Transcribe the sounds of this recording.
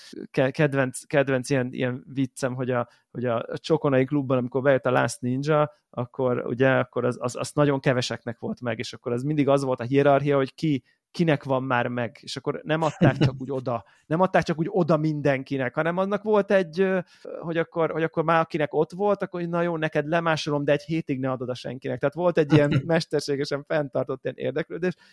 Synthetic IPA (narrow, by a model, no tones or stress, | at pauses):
kɛkɛd̪vɛnt̪skɛd̪vɛnt̪sijɛnḭjɛnvit̪sːɛmɦo̞ɟɒ | ho̞ɟɒ̰t͡ʃo̞ko̞nɒiklubːɒnɒmiko̞rbɛjøt̪ːɒla̰ːsnind͡ʒɒ | ɒkːo̞ɾṵɟɛɒkːo̞ɾɒzɒ̰zɒ̰snɒɟo̞ŋkɛvɛʃɛknɛkʋo̞lt̪mɛɡeːʃɒkːo̞ɾɛzmind̪iɡɒzʋo̞lt̪ɒɦiɛɾɒrɦijɒɦo̞cki | kinɛkʋɒmːaːrmɛɡeːʃɒkːo̞rnɛmɒt̪ːaːkt͡ʃɒkuːɟo̞d̪ɒ | nɛmɒt̪ːaːk̚t͡ʃɒkuːɟo̞d̪ɒmind̪ɛŋkinɛkhɒnɛmɒnːɒkʋo̞lt̪ɛɟːø | ho̞ɟɒkːo̞rho̞ɟɒkːo̞rmaːɾɒkinɛko̞t̪ʋo̞lt̪ɒkːoɾonɒjoːnɛkɛd̪lɛmaːʃolo̞md̪ɛːɟheːt̪iɡnɛɒd̪o̞d̪ɒʃɛ̰ŋkinɛk̚t̪ɛɦaːt̪ʋo̞lt̪ɛɟːiɛnmɛʃt̪ɛrʃeːɡɛʃɛɱfɛnt̪ɒrt̪o̞t̪ːiɛnḛːrd̪ɛkløːd̪eːʃ